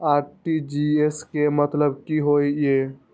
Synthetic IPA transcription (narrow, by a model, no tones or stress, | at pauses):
aɾʈid͡ʒieskemət̪ləb̚kiɦojje